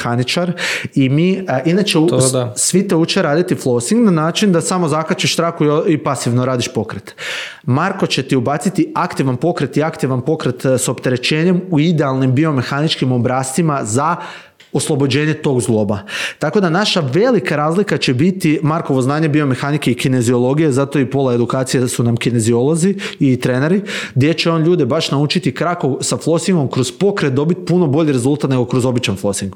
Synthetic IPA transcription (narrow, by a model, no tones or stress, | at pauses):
anit͡ʃaɾimiːinat͡ʃeusʋit̪eut͡ʃeɾaːd̪it̪iflˠo̞siŋɡnanaːt͡ʃind̪asamo̞zakat͡ʃiʃst̪ɾaːxuiipasiʋnoɾaːd̪iʃpo̞kɾet̪ | maɾko̞t͡ɕe̞t̪iubat̪sit̪iakt̪iʋanpo̞kɾet̪iakt̪iʋanpo̞kɾet̪so̞pt̪e̞ɾe̞t͡ɕe̞ːɲe̞muid̪ealˠnimbio̞me̞xanit͡ʃkimobɾaːst̪imaza | oslˠo̞bo̞d͡ʑe̞ːɲe̞t̪o̞ɡzɡlˠo̞bat̪ako̞d̪anaʃaʋe̞likaɾaːzlikat͡ɕe̞bit̪imaɾko̞ʋoznaːɲebio̞me̞xanikeikine̞zio̞lˠo̞ɡije̞zat̪o̞ipo̞lae̞d̪ukaːt̪sijesunamkine̞zio̞lˠo̞ziːt̪ɾene̞ɾiɡd̪ʲjet͡ɕe̞o̞ːnʎuːd̪ebaʃnaut͡ʃit̪ikɾako̞saflˠo̞siŋɡo̞mkɾo̞z̥po̞kɾet̪̚d̪o̞bit̪puno̞bo̞ʎiɾe̞zulˠt̪at̪neɡo̞kɾo̞zo̞bit͡ʃanflˠo̞siŋɡ